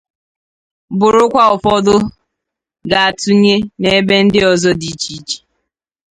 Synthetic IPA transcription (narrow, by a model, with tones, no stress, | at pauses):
bʊ˨ɾʊ˦kʷa˦ʊ˨fɔ˦dʊ˦ | ɡa˨a˨tu˦ɲe˦ne˦˨e˦be˦n̩˦dɪ˦ɔ˨zɔ˦di˨t͡ʃi˦t͡ʃi̥˨